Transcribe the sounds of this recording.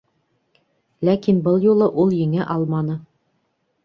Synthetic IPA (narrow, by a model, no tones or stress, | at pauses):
lækinbɤlˠjulˠɤʔulˠjɘ̆ŋɘʔɑlˠmɑnɤ